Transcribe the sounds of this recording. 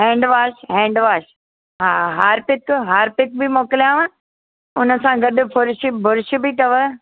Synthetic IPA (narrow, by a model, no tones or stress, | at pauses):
ɦɛ̃ːɳɖʋaːʃɦɛ̃ːɳɖʋaːʃ | ɦaːɦaːɾpɪkɦaːɾpɪk̚bɪmoːkɪlijãːʋə̃ | ʊnə̆sãɡɐɗʊ̆fʊɾɪʃɪbʱʊɾʃ̆bit̪ɐʋə